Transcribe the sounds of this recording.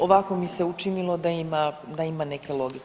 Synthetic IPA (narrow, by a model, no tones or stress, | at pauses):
o̞ʋako̞mise̞ut͡ʃinilˠo̞d̪aimad̪aimanekelˠo̞ɡik